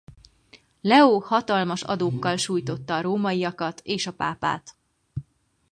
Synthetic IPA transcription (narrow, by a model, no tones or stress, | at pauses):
lɛoːhɒt̪ɒlmɒʃɒ̰d̪oːkːɒlʃuːjt̪o̞t̪ːɒːɾoːmɒijɒkɒt̪eːʃɒpa̰ːpa̰ːt̪